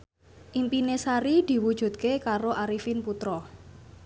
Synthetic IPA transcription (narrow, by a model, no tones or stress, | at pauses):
ʔimpinesaɾid̪̥i̤wud̥ʒ̥ṳt̪̚kekaɾoʔaɾifinput̪ɾɔ